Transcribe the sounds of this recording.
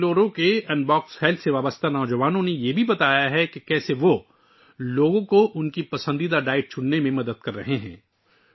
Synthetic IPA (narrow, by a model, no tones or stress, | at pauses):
loːɾõkeɛ̃nɖbɔːkshɛlt̪ʰseʋaːbəst̪ʰanɔːd͡ʒɐʋaːnõnejebʱibɐt̪aːjaɦɛkekɛːseʋo | loːɡõkoʔʊnkipɐsə̃nd̪id̪aɖaːɪʈ̚t͡ʃʰʊɽnemẽmɐd̪əd̪̚kɐɾːɐɦeɦɛ̰̃ː